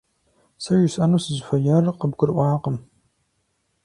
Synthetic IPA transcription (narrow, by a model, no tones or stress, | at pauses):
sɐʒɪsʼɐnuːsɨzfɐjɐrqəbɡʷʊrʔʷɑːqəm